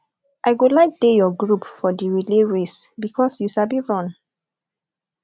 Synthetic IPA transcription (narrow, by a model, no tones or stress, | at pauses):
ʔaɪɡolaɪk̚dejɔɡɹupfɔdiɹileɹesbikʰɔsjusabiɹɔ̃n